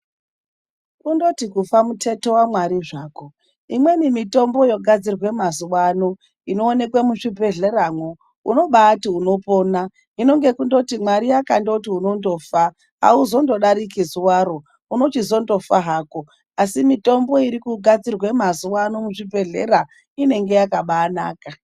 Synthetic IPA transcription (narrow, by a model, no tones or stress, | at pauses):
kundo̞tikufamutʰe̞to̞wamwaɾiʐaːko̞ | imwe̞nimito̞mbo̞jo̞ɡʱad͡zirwe̞mazuwano | ino̞ːne̞kwemuʂibʱe̞ɮe̞ramwo | ṵno̞ɓaːtiuno̞po̞ːna | ino̞ŋɡe̞kundo̞timwaɾijakandoutiunondo̞fa | a̰uzo̞ndo̞ɗaɾikizuwaɾo | uno̞t͡ʃizo̞ndo̞faɦaːko̞ | asimito̞mbo̞iɾikuɡʱad͡zirwe̞mazuwanomuʐibʱe̞ɮḛɾa | ine̞ŋɡe̞jakaɓaːna̰ːka